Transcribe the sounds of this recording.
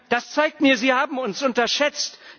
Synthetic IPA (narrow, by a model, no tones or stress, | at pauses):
d̥ast͡saɪk̚tmiːɐziːhaːbm̩ʊnsʔʊntɐʃɛt͡st